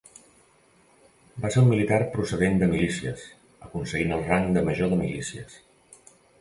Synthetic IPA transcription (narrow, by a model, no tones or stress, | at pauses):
baseulmilit̪arpɾusəðend̪əmilisiə̰s | əkunsəɣinəlˠraŋd̪əməʒoðəmilisiə̰s